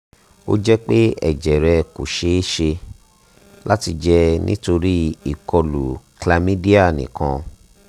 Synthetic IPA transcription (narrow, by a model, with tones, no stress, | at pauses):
o̰˦d͡ʒɛ˦k͡pe˦ɛ̰˨d͡ʒɛ˨ɾɛ˧ko˨ʃe˨˦ʃe˧ | la˦ti˧d͡ʒɛ˦nḭ̃˦to˧ɾi˦i˦˨kɔ˧lṵ˨kla˧mĩ˦di˦a˦˨nḭ̃˨kã˧